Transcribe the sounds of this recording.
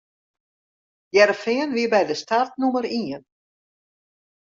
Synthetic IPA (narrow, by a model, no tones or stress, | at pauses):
jɛɾfɛːnvɪbaːjðɪst̪art̪̚numɛɾiːɛn